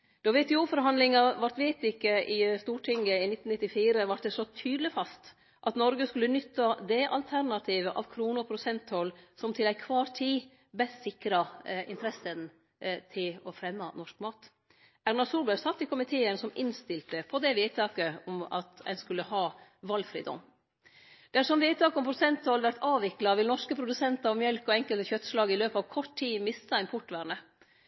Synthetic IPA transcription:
d̪̥ɔʋɛːt̪ʰɛuːfɔɾɦɑnd̪lɪŋɑʋɑɾt̪ʋeːt̪ɪkːəʔɪst̪uːʈʰɪŋəɪnɪt̪ːn̩ɪt̪ːɪfiːɾəʋɑʈ̚d̪ɛsɔt̪ʰyːd̪lɪfɑst̪ | ʔɑt̪nɔɾɡəskʉlːənʏt̪ːɑd̪ɛʔɑlt̪ʰæɾnɑt̪ʰiːʋəʔɑʋkʰɾuːnəpʰɾʊsɛnt̪hɔlsɔmt̪ʰɪlæɪkʰʋɑːɾt̪ʰiː | bɛssɪkɾɑɪ̰nt̪ʰɾɛsən | t̪ʰɪlɔfɾɛmːɑnɔʂk̚mɑːt̪ | æɾnɑsuːbəsɑt̪ːɪkʊmɪt̪ʰeːənsɔmɪnst̪ɪlt̪əpʰɔd̪ɛʋiːd̪̚t̪ʰɑːkəɔmɑ̰t̪ɛ̰nskʉlːəhɑːʋɑlːfɾḭːd̪ɔ̰m | d̪̥æʂɔmʋiːd̪̚t̪ɑːkəɔmpʰɾʊsɛnt̪hɔlʋæɾt̪ɑːʋɪklɑʋɪlnɔʂkəpʰɾʊd̪ʉsɛnt̪ɑɾɔmjɛlkɔɛŋkəlt̪əçœt̪ːslɑːɡɪløːpɑːʋkʰɔʈʰːiːmɪst̪ɑɛɪnpʰɔʈːʋæɾɳə

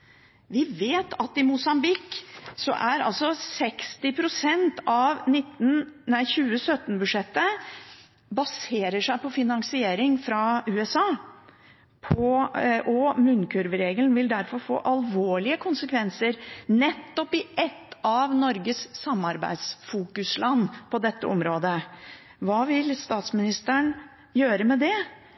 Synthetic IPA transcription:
ʋɪʋeːt̪ʰɑt̪ɪmʊsɑmbɪkːsɔ̰ʔæɾɑ̰lsɔsɛkst̪ɪpʰɾʊsɛnt̪ɑʋnɪt̪ːn̩æɪçʉːəsœt̪ːnbʉd̪ʂɛt̪ːə | bɑseːɾəʂæɪpʰɔfɪnɑŋsɪeːɾɪŋfɾɑʉːɛsɑː | pʰɔʔɔmʉnkʰʉɾʋəɾeːɡəlnʋɪld̪æɾfɔɾfo̰ːʔɑlʋoːɭɪəkʰʊnsəkʰʋɛnsəɾnɛt̪ːɔpɪʔɛt̪ːɑʋnɔɾɡəssɑmːɑɾbæ̰ɪd̪sfuːkʉslɑnːpʰɔd̪ɛt̪ʰːə̰ʔɔmɾoːd̪ə | ʋɑːʋɪlst̪ɑːt̪smɪnɪst̪əɳ | jøːɾəmɛd̪ɛ

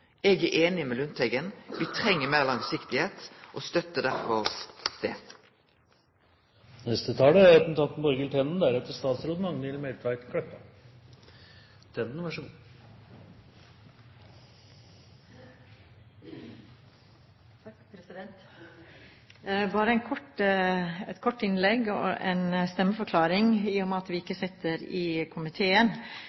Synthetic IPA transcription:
ɛɡæʔeːnɪmɛlʉnt̪ʰɛɡənʋiːt̪ʰʁɛŋːəmæːʁlɑŋsɪkt̪ɪheːt̪ʔost̪œt̪əd̪æʁfɔʁd̪̥eː | nɛst̪ət̪ʰɑːləæɾɑt̪n̩t̪ʰɑnt̪nbɔɾɡɛlt̪ʰɛnn̩d̪æɾɛt̪əɾst̪ɑːt̪sɾoːd̪əmɑŋnɛlmɛɾt̪ʰæɪt̪kʰɽɛpːɑ | t̪ʰɛnd̪n̩ʋæʂu | ɛnt̪ | bɑːɾəɛnkʰɔʈ | ɛt̪kʰɔʈːɪnlɛɡɔ̰ɛ̰nst̪ɛmːəfɔɾkʰlɑːɾɪŋɪːɔmɑt̪ʋɪɪkːəsɪt̪ːəɾɪkʰʊmɪt̪ʰeːən

